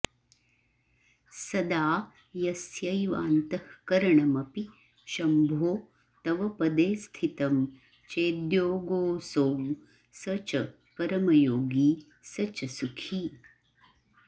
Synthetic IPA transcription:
sɐd̪aː | jɐsjɐjʋa̰ːnt̪ɐhkɐɾɐɳɐmɐpi | ʃɐmbʱoː | t̪ɐʋɐpɐd̪eːst̪ʰit̪ɐm | t͡ʃeːd̪joːɡoːsoːm | sɐt͡ʃɐ | pɐɾɐmɐjoːɡiː | sɐt͡ʃɐsukʰi

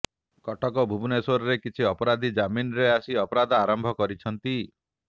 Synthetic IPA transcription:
kɔʈɔkɔbʱubʱuneswɔɾɔɾekit͡ʃʰiɔpɔɾad̪ʱid͡ʒaminɔɾeasiɔpɔɾad̪ʱaaɾɔmbʱɔkɔɾit͡ʃʰɔnt̪i

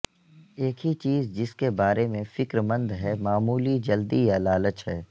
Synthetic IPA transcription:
eːkɦit͡ʃiːzd͡ʒɪskebaːɾemẽfɪkɾmə̃nd̪ɦɛmaːmuːlid͡ʒɐld̪ijalaːlət͡ʃɦɛː

